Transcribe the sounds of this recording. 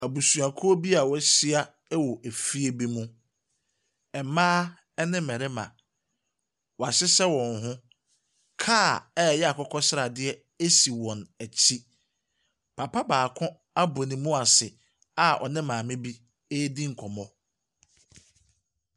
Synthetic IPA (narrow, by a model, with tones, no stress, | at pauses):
æ˨bu˨su˨a˨kʰɔ˦o˦bi˦a˨wɔ˦si˦a˦ | wɔ˨ʔe˨fi˦e˦bi˦mũ˦ | ɛ˨mãː˦ | ɛ˦nɪ̃˦mɛ̃˨ɾɪ˦mã̰˨ | wɔ˨a˨ɕɪ˦sɛ˦wɔ̃˨nɦʊ̃˦ | kʰaː˦˨ɛ˦˨jɛ˦a˨kʰɔ˦kʰɔ˦sɪ˦ɾa˨dɪ˦ɛ˦ | e˦si˨wɔ̃˨næ˨t͡ɕʰi˦ | pʰa˨pʰa˦baː˨kʰʊ̃˦ | a˦bo˨nĩ˨mũ˦a˨sɪ˨ | a˨ʔɔ̰˨nɪ̃˦mãː˨mɪ̃˦bi˦ | e˦dĩ˦ŋ̩˨kʰɔ˨mɔ̃˦